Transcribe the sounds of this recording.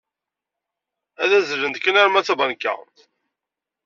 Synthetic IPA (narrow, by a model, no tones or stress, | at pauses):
æðæzələnd̪kːənæɾmæt͡sːæbɑnkːə̰ʁt̪